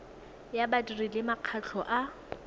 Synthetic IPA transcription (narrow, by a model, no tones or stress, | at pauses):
jabatirilɪmaq͡χʰat͡ɬʰɔʔa